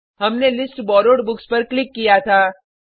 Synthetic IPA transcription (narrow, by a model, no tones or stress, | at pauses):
ɦɐmnelɪsʈbɔːɾoːɖbʊkspɐɾklɪkːijat̪ʰaː